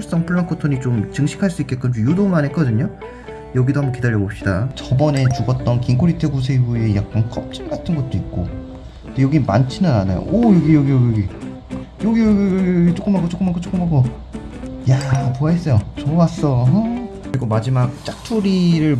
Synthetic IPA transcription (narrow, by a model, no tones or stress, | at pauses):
uɭs͈ʌŋpʰɯɭːaŋkʰotʰoɲit͡ɕomt͡ɕɯŋɕʰi̥kʰaɭs͈uik͈e̞t̚k͈ɯt͡ɕomjudoŋanɦek͈ʌdɯɲo | jʌɡidohambʌnkidaʎːjʌbop̚ɕ͈idat͡ɕʌbʌne̞t͡ɕuɡʌt̚t͈ʌnkiŋkʰoɾitʰɯɡus̬ʰeue̞jak̚k͈ank͈ʌp̚t͡ɕ͈inɡatʰɯnɡʌt̚t͈oit̚k͈o̰ | ndejʌɡima̰nt͡ɕʰinɯnana̰jo̰ʔʌjʌɡijʌɡijʌɡijʌɡi | jʌɡiɡt͡ɕ͈ok͈ɯmɦakot͡ɕok͈ɯmakot͡ɕ͈ok͈ɯmkako | japoaes͈ʌjot͡ɕowas͈ʌ | kɯɾiɡomad͡ʑimak̚t͡ɕ͈ak̚tʰuɾiɾɯɭ